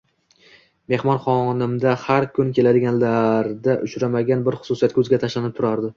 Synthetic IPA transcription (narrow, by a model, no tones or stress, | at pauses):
me̞hmɒnχɒnɪmd̪ahaɾkʰʊnkʲe̞lad̪ɪɡʲanlaɾd̪aʔʊʃɾamaɡʲanbɪɾχʊ̥sʊsijat̪kʰɵzɡʲat̪ʰaʃlanɪp̚t̪ʰʊɾaɾd̪ɪ